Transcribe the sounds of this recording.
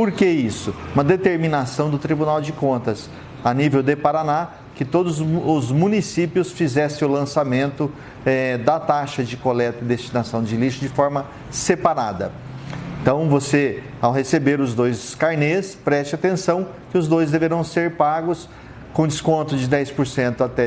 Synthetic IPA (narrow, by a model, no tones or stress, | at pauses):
poɾkeisʊũmɐd̪et̪eɾmĩnasɐ̃w̃d̪ʊt̪ɾibunawd͡ʒɪkõnt̪ɐs | anivewd̪epaɾana | kɪt̪od̪ʊzʊzmũnisipjʊsfizɛsẽʊlɐ̃samẽnt̪ʊ | ɛd̪ɐt̪aʃɐd͡ʒɪkolɛt̪ɐɪd̪est͡ʃinasɐ̃w̃d͡ʒɪliʃʊd͡ʒɪfɔɾmɐ | sepaɾad̪ɐ̰ | ẽt̪ɐ̃w̃vose | awɦesebeɾʊzd̪ojzskaɾnespɾɛst͡ʃɪat̪ẽsɐ̃w̃ | kɪʊzd̪ojzd̪eveɾɐ̃w̃seɾpaɡʊs | kõd͡ʒɪskõnt̪ʊd͡ʒɪd̪ɛjspoɾsẽnt̪ʊat̪ɛ